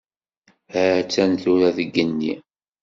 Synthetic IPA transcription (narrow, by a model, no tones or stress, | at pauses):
hət͡sːænθuɾæðəɡːənːḭ